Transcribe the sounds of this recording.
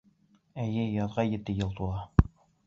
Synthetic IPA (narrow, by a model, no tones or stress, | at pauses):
æjɘjɒðʁɑjɘ̆t̪ɘjɤlˠt̪ulˠɑ